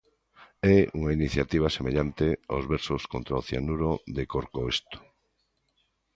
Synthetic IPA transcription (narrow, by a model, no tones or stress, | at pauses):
ɛuŋainiθjat̪iβ̞asemeʎant̪eo̰zβɛɾsoskont̪ɾaoθja̰nuɾoðekoɾkoest̪o̥